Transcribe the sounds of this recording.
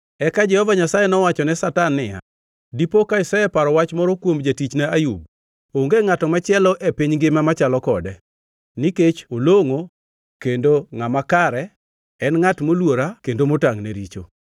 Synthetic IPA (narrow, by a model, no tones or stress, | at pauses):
ɛkad͡ʒɛhɔvaɲasajɛnɔwat͡ʃɔnɛsatanːɪja̰ | dipokaisajɛpaɾɔwat͡ʃmɔɾɔkwomd͡ʒatit͡ʃnaajub̚ | oŋɡeŋatɔmat͡ʃɪɛlɔʔepiɲɡɪmamat͡ʃalɔkɔdɛ | niket͡ʃoloŋo | kendoŋamakaɾɛ | ɛnŋatmolwoɾakendomotaŋneɾit͡ʃo̰